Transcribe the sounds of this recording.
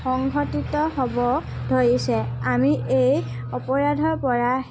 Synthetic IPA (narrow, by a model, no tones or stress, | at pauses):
xɔŋɡʱɔtitɔɦobɔ | dʱoɹisɛamiʔej | ɔpɔɹadʱɔɹpɔɹa